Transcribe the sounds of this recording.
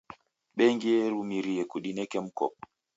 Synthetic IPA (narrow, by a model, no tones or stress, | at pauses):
ɓɛŋɡiɛɾumiɾiɛkuɗinɛkɛm̩kɔ̰p̚